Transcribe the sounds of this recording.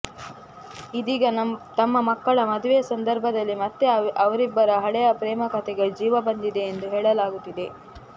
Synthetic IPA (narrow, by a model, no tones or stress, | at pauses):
id̪iːɡɐt̪ɐmːɐmɐkːɐɭɐmɐd̪uʋejɐsɐnd̪ɐɾbʱɐd̪ɐlːimɐt̪ːe̞ɐʋɐɾibːɐɾɐɦɐɽɛjɐpɾɛːmɐkɐt̪ʰɛɡed͡ʒiːʋɐbɐnd̪id̪e̞ːnd̪uɦeːɭɐlaːɡut̪ːid̪e̞